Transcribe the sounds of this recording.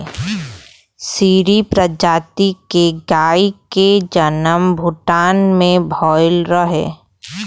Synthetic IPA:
siːɾipɾəd͡ʒaːt̪ikeɡaːiked͡ʒənəmbʱʊʈaːnmẽbʱɔːɪlɾəɦḛ̃ː

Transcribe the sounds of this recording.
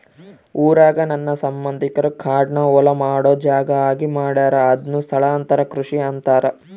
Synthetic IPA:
uːɾaːɡɐnɐnːɐsɐmbɐnd̪ʱikɐɾukʰaːɖɳɐɔlɐmaːɽoːd͡ʒaːɡɐaːɡimaːɽaːɾɐːd̪nust̪ʰɐɭɐːnt̪ɐɾɐkɾuʂiɐnt̪aːɾɐ

